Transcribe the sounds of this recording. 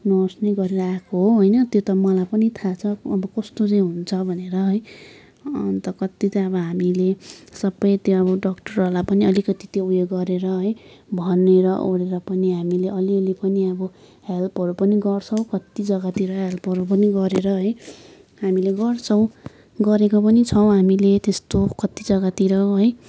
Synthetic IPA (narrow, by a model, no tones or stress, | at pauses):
nʌsneɡʌɾeɾʌakoɦoɦojnʌt̪jot̪ʌmʌlapʌnit̪ʰat͡sʰʌːbʌkʌst̪ot͡sʌĩɦunt͡sʰʌbʱʌneɾʌɦʌj | ʌnt̪ʌkʌt̪it̪ʌʌbʌɦamilesʌbʌjt̪joʌbʌɖʌkʈʌrʌlapʌniʌlikʌt̪it̪joujoɡʌɾeɾʌɦʌjbʱʌneɾʌʔoɽeɾʌpʌniɦamileʔʌliʌlipʌniʌbʌ | helpɦʌɾupʌniɡʌrt͡sʰʌw̃kʌt̪id͡zʌɡat̪iɾʌɦelpʌɾup̬ʌniɡʌɾeɾʌɦʌj | ɦamileɡʌrt͡sʰʌw̃ | ɡʌɾekop̬ʌnit͡sʰʌw̃ɦamilet̪est̪okʌt̪id͡zʌɡat̪iɾʌɦʌj